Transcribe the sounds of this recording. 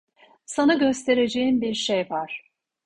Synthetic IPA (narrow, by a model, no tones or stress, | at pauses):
sanaɟøst̪ʰe̞ɾe̞d͡ʒejimbiɾʃejvaɾ̥